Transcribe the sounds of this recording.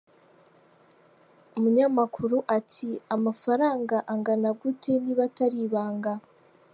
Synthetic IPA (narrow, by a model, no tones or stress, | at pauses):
umuɲamakʰuɾuʔatʰiamafaɾaːŋɡaʔaŋɡanaɡutʰe̞niβataɾiβaːŋɡa